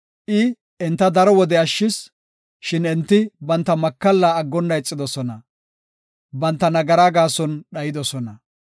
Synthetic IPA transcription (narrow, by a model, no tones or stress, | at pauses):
ʔɪ | ɛnt̪ːɐd̪ɐɾɔwɔd̪ɛɐʃːɪs | ʃɪnɛnt̪ːɪbɐnt̪ːɐmɐkːɐlːaːɡːɔnːɐjt͡sʼːɪd̪ɔsɔnɐ | bɐnt̪ːɐnɐɡɐɾaːɡaːsɔnɗɐjɪd̪ɔsɔnɐ